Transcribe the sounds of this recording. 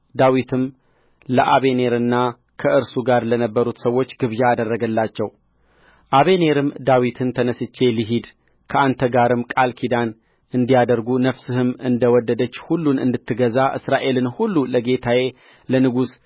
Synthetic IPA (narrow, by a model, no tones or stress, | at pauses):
d̪awit̪ʰɨm | ləʔaβe̞ne̞ɾɨnːa | kʰəʔɨɾsuɡaɾlənəbːəɾut̪səwo̞t͡ʃːɡɨβjaːd̪ərːəɡəlːat͡ʃːɛw | ʔaβe̞ne̞ɾɨmd̪awit̪ʰɨnt̪ʰənəsɨt͡ʃːe̞liɦid̪ | kʰəʔant̪ʰəɡaɾɨmkʼalkʰid̪an | ɨnd̪ijad̪əɾɡunəfsɨhɨmɨnd̪əwɔd̪ːəd̪ət͡ʃːhulːunɨ̰nd̪ɨt̪ʰːɨɡəzaʔɨsɾaʔe̞lɨnhulːuləɡe̞t̪ʰaje̞ | lənɨɡus